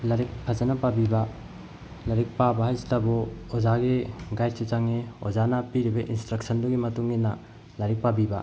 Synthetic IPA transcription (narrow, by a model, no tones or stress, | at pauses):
lɐɾik̚pʰazɐnɐpabibɐ | lɐɾik̚pabɐɦajzitɐbɔozaɡiɡajsuzaŋio̰zanɐpiɾibɐʔḭnstɾɐk̚sɐnduɡimɐtuŋinɐ | lɐɾik̚pabiba